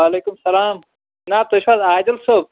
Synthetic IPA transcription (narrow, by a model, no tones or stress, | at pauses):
aːleːkʊmsɐlaːm | naːt̪oʃwaːzaːd͡ʑɐlsoːb̚